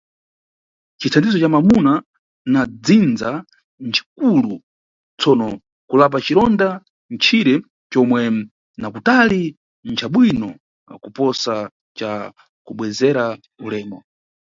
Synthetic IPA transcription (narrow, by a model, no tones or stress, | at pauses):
t͡ʃit͡sʰandizɔt͡ʃamamuna | nad͡zind͡za | nt͡ʃʰi̥k̚ulu | t͡sʰɔnɔ | kulap̬at͡ʃiɾɔnda | nt͡ʃʰiɾɛ | t͡ʃɔmwɛ | nakutali | nt͡ʃʰaɓwinɔ | a̰kupɔsa | t͡ʃa | kuɓwɛzɛɾa | ulɛːmɔ